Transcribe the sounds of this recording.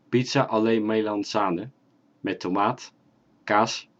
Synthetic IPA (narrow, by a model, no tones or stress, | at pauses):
pitsaʔɑlejnmejlɑnsaːnə | mɛtʰomaːt | kaːs